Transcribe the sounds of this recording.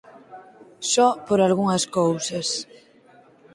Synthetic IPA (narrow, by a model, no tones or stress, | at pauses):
ʃɔpoɾalɣuŋɐskowsɐs